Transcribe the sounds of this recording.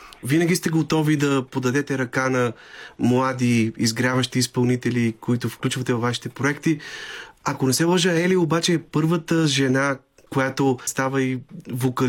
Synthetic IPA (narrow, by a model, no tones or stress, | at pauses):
vinɐɡʲist̪ɛɡot̪ɔvid̪ɐpod̪ɐd̪ɛt̪ɛɾɐkanɐmlˠad̪iizɡɾavɐʃt̪iːspɐlˠnit̪ɛlikoit̪ofklʲut͡ʃvɐt̪ɛvɐvːaʃi̥t̪ɛpɾoɛkt̪i | ɐkonɛsɛlˠɐʒəɛliobat͡ʃɛːpɤɾvət̪əʒɛna | kojat̪ost̪avəivokɐ